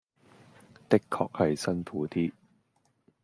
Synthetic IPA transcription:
t̪ɪ˥kʰːɔ̰ː˧k̚hɐ˨jsɐ˥nfuː˨˥t̪iː˥

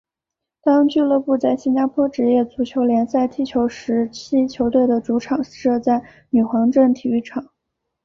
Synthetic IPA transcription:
t̪ɑ˥ŋt͡ɕy˥˧lɤ˥˧pu˥˧t͡sa˥˩ɪɕi˥nt͡ɕa˥pʰwɔ˥ʈ͡ʂɻ̩˧˥jɛ˥˩t͡su˧˥t͡ɕʰjo˧˥ʊljɛ˧˥nsa˥˧ɪt̪ʰi˥˩t͡ɕʰjo˧˥ʊʂɻ̩˧˥t͡ɕʰi˥t͡ɕʰjo˧˥ʊt̪we˥˩ɪd̪ə˩t͡su˧˥ʈ͡ʂʰɑ˨˩˦ŋ˥ʂɤ˥˧t͡sa˥˩ɪ | ny˨˩xwɑ˧˥ŋʈ͡ʂə˥˩ŋt̪ʰi˨˩y˥˩ʈ͡ʂʰɑ˨˩˦ŋ

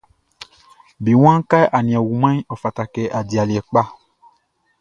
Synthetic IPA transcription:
bi˨w̃ã˦ka˦jʔa˨nĩ˨ɛ̃˨wu˨mã˦ɔ˨fa˨ta˨kɛ˨ʔa˨di˨a˨li˨ɛ˨k͡pa˦

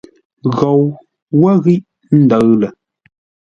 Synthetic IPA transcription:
ɣɔ˨w | wə˦ɣi˦ʔ | n̩˦˨də˨˦ɣlə˨

